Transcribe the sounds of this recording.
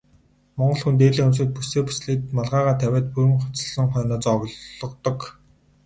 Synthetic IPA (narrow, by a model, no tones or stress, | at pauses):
mɔɴɢɞ̆ɮxunt̪̬eːɮiːŋɵms̬ɘ̆t̪̚puseːpu̥sɮiːt̪̚maɮʁaːʁaːt̪ʰæwʲæːt̪̚puɾɘ̆mχʊ̥t͡sə̥̆ɮɞ̆ŋχœːnɔːt͡sɔɣɮɞ̆qt̪ɞ̆k